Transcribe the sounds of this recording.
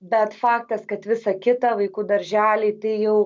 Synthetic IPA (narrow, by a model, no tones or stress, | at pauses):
bʲɛt̪fɑːkt̪ɐskɐt̪ʋʲɪsɐkʲɪt̪ɐʋɐɪkuːd̪ɐɾʲʒʲæːlʲeːt̪ɐɪjɛʊ